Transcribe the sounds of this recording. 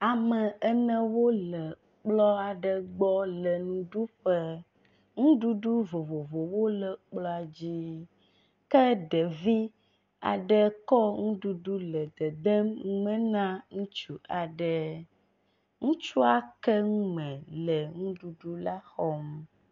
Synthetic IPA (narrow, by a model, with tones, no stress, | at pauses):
a˨mə˨ɛ˦nɛ̃˦wo˦lə˨ | k͡plɔ˦a˨ɖə˨ɡ͡bɔ˦lə˨nũ˨ɖu˦ɸə˦ | ŋũ˦ɖu˦ɖu˦vo˨vo˨vo˨wo˦lə˨k͡plɔ˦a˨d͡ʑi˦ | kə˦ɖə˨vi˦ | a̰˨ɖə˦kɔ˦ŋũ˦ɖu˦ɖu˦lə˨d̪ə˨d̪ə˦mŋũ˦mə̃˦nã˦ŋũ˦t͡ʃu˨ʔa˨ɖə˦ | ŋũ˦t͡ʃu˦a˦kɛ˦ŋũ˦mɛ̃˨lə˨ŋũ˦ɖu˦ɖu˦la˦xɔ˦m